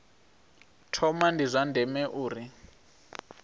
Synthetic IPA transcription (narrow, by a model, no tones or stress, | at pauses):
tʰɔmandizʷandʱɛmɛʔuːri